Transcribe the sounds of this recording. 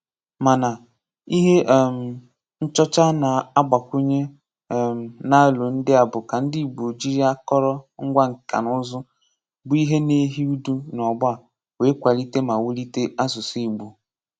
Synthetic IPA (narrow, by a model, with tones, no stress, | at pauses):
ma˨na˨ | i˦ɦe˦˨m̩˨ | n̩˦t͡ʃɔ˦t͡ʃa˦na˨a˦ɡ͡ba˨kʷu˦ɲe˦˨ | na˦lʊ˨n̩˦dɪ˦a˨bʊ˨ka˨n̩˦di˦˨ɡ͡bu˨o˨d͡ʒi˦ɾi˦a˦kɔ˦ɾɔ˦ŋ̩˦ɡʷa˦ŋ̩˨ka̰˨nʊ˦zʊ˦ | bʊ˦i˦ɦe˦ne˦ɦi˦u˦du˦nɔ˨ɡ͡ba˦˨ | we˨˦kʷa˨li˦te˦ma˨wu˦li˦te˦a˦zʊ˨si˦˨ɡ͡bu˨